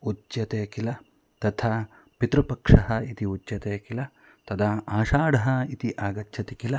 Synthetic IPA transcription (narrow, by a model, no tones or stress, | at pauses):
utːjɐt̪eːkilɐ | t̪ɐt̪ʰaː | pit̪ɾupɐkʂɐɦɐ̆it̪iud͡ʒjɐt̪eːkilɐ | t̪ɐd̪ɐːaːʃaːɽɐɦɐ̆it̪iʔaːɡɐtːʃʰɐt̪ikilɐ